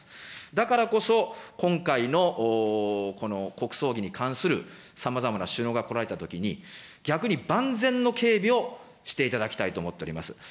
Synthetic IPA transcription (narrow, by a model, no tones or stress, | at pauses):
d̪akaɾako̞so̞kõ̞ŋkaino̞ʔ | ko̞no̞ko̞kɯ̟̥so̞ːɡʲiɲ̟ikʰãɰ̃sɨɾɯ̟ | samazamanaɕɨːno̞ɡako̞ɾaɾe̞t̪at̪o̞kʲiɲ̟iɡʲakɯ̟ɲ̟ibãnd͡zẽ̞nːo̞ke̞ːbʲio̞ | ɕi̥t̪e̞it̪ad̪akʲi̥t̪ait̪o̞ːmo̞t̪ːeoɾʲimasɨ̥